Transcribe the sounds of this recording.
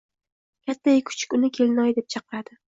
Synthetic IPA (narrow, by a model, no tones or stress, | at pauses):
kʲat̪ʰːajkʰʊ̥t͡ʃʰɪ̥kʲʊnɪkʲʰe̞lɪnɒjd̪e̞p̚t͡ʃʰɑqɨɾad̪̥ɪ